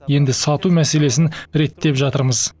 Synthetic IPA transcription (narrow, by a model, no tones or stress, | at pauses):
je̞nd̪ɪsɑt̪umæse̞le̞sɪnɾe̞t̪ːe̞pʒɑt̪əɾməz̥